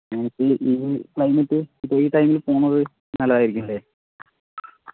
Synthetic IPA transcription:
ɲɐnɐkːɨʔiklɐjmeʈːɨipːeiːʈɐjmilpoːɳːɐðɨ | nɐlːɐðaːjiɾikʲːumile

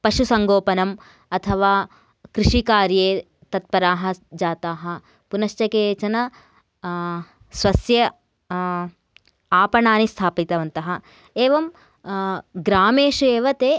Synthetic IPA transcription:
pɐʂusɐŋɡoːpɐnɐm | ɐt̪ʰɐʋaː | kɾiʂikaːɾjeː | t̪ɐt̪̚pɐɾaːɦɐ̆d͡ʒaːt̪aːɦɐ̆ | punɐʃt͡ʃɐkeːt͡ʃɐnɐ | sʋɐsjɐ | aːpɐɳaːnist̪ʰaːpit̪ɐʋɐnt̪ɐɦɐ̆ | eːʋɐm | ɡɾaːmeːʃueːʋɐt̪eː

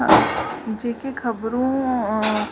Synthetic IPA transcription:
ã̰d͡ʒeːkekʰɐbɾõ

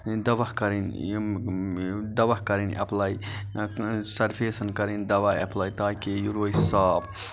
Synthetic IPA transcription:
d̪ɐʋɐhkɐɾin | d̪ɐʋɐɦkɐɾinʔɐ̰plaːi | sɐɾpʰeːsɐnkɐɾind̪ɐʋaːjɐplaːjt̪aːkejuɾoːisaːb

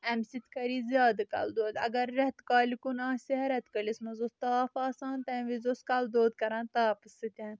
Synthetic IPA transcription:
ɛmsit̪kɐɾiːzʲjaːd̪ɨka̰ld̪oːd̪ɐ̰ɡɐɾːɛɦt̪kaːlʲikunãːsiɦɐɾɛt̪kɐlismɐzost̪aːfaːsãːnt̪ɛ̃ʋizoskald̪oːd̪kɐɾãːnt̪aːpɨsɨt̪ʲɛ̃ːn

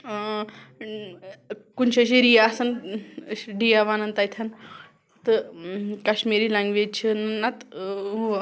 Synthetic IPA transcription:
kunɕɐɕiɾijasɐn | ɖijaʋanɐnt̪ajt̪ʰan | t̪əkaɕmiɾilãŋɡʋet͡ɕʰənnat̪

